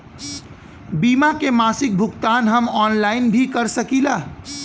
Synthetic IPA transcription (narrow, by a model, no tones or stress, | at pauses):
bimakemasik̚bʱukt̪anɦəmɔnlainbʱikəɾsəkila